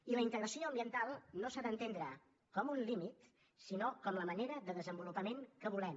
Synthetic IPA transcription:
iləint̪əɣɾəsioəmbiənt̪alˠnosaðənt̪end̪ɾə | kɔmunlimit̪ | sinokɔmləməneɾəðəðəzəmbulupəmeŋkəβ̞ulɛm

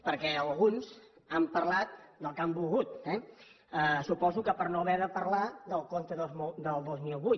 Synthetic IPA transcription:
pəɾkɛəlˠɣunzəmpəɾlat̪̚d̪əlˠkambuɣut̪ɛ | əsupɔzukəpəɾnoβɛðəpəɾlaðəlˠkont̪əðod̪əlˠd̪ozmilˠβu

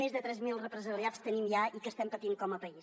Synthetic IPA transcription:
ezðət̪ɾɛzmilˠrəpɾəzəliast̪ənimjaikəst̪ɛmpət̪iŋkɔməpəis

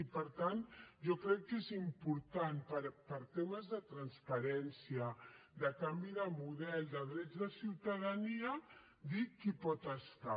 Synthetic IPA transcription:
ipəɾt̪anʒɔkɾɛkːezimpuɾt̪anpəɾpəɾt̪eməzðət̪ɾənspəɾɛnsijəd̪əkambiðəmuðɛlˠd̪əðɾɛd͡zðəsiwt̪aðəniə | d̪ikipɔt̪əst̪a

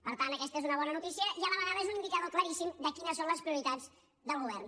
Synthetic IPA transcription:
pəɾt̪ant̪əkɛst̪əezunəβɔnənut̪isiəʔialəβəɣaðəezunind̪ikaðokləɾisimd̪əkinəsonləspɾiuɾit̪ad͡z | d̪əlˠɣuβɛrn

